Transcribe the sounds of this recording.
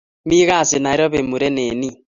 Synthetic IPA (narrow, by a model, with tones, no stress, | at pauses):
mi˦ɣa˦˨se˨na˨e˦ɾɔ˦βe˨mu˨ɾɛ˦ne˨ni˦